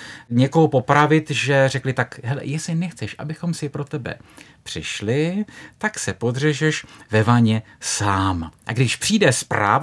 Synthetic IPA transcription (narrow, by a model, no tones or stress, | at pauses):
ɲɛko̞ɦopo̞pɾavɪt̪ʒɛrɛklɪt̪akɦɛlɛ̰jɛsɪnɛxt͡sɛʃʔabɪxo̞msɪpɾo̞t̪ɛbɛ̰ | pr̝̥ɪ̰ʃlɪt̪aksɛpo̞d̪r̝ɛʒɛʃvɛvaɲɛ | saːmʔaɡdɪʃpr̥iːdɛspɾa̰ːv